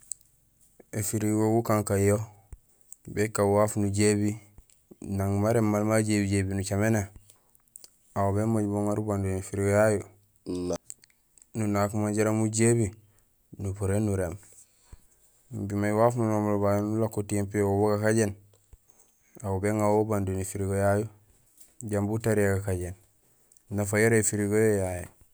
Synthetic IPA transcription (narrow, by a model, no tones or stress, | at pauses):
efiɾiwowukaŋkajo | bekːawafnuɟebi | naŋmaɾemːalmaɟebiɟebinut͡ʃamena | awoβemaɟboŋaɾubandonefiɾiwjaju | nunakumaɟaɾamuɟebi | nupuɾenːuɾem | bimajwafununomulbajonulakːotiempijowoboɡakaɟen | awubeŋawobandunifiɾiɡojaju | ɟambutaɾijaɡakaɟen | nafajoɾefiɾiɡojojaju